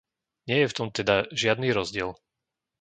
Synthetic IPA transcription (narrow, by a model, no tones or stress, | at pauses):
ɲɪɛjɛft̪ɔmt̪ɛd̪aʒɪad̪niːɾɔzɟɪɛl